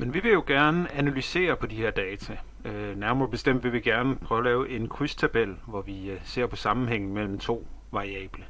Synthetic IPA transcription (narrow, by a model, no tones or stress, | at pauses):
menʋiʋe̝jo̝ɡ̥æɐnəænælyse̝̰ːɐpʰɒ̽d̥iheɐ̰d̥ɛːt͡sʰæ | næɐmɐɐːb̥e̝sd̥em̰d̥ʋiʋe̝ɡ̥æɐnəpʰʁœːʊlɛːʊʔe̝nkʰʁyst͡sʰæb̥el̰ʋɒʋise̝ɐ̰pʰɒ̽sɑ̈mn̩ɦeŋ̰n̩ˠmel̰m̩t͡sʰo̝̰ː | ʋɑ̈ʁiɛ̰ːb̥lə